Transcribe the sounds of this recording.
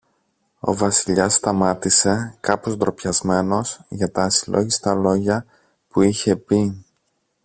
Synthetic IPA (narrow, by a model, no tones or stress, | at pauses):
o̞̰vɐsiʎɐsːt̪ɐmɐt̪ise̞kɐpo̞zd̪ɾo̞pçɐzme̞no̞sʝɐt̪ɐːsilʔo̞̰ʝist̪ɐlo̞ʝɐ | puiçe̞pi